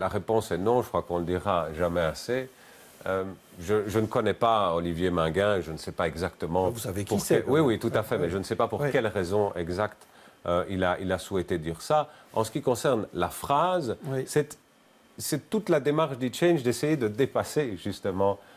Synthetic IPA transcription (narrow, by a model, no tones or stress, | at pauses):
laʁepɔ̃sɛnɔ̃ʒəkχwakɔ̃ləd̪iʁaʒamɛase | øm | ʒəʒənəkɔnɛpaɔlivjemɛ̃ɡɛ̃ʒənəsɛpaɛɡzakt̪əmɑ̃savekpuwiwit̪ut̪afɛmɛʒənəsɛpapuʁkʲɛlʁɛzɔ̃ɛ̰ɡzakt̪øilaʔilasuwɛt̪ed̪iːʁsaɑ̰̃sə̥kʲikɔ̃sɛʁnlafχazwisɛt̪ | sɛt̪ut̪lad̪emaʁʃd̪yt͡ʃɛ̃nʒd̪esejed̪əd̪epaseʒyst̪əmɑ̃